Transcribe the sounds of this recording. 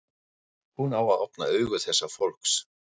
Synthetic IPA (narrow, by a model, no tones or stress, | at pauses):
hunawaðɔpna̰œːɥɣʏθɛsːafolhks